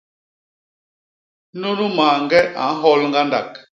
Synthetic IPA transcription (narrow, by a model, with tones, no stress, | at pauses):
nu˦nu˦maː˨ŋɡɛ˦ʔã̰˨˦ɦɔ˦lŋɡa˦nda̰˨k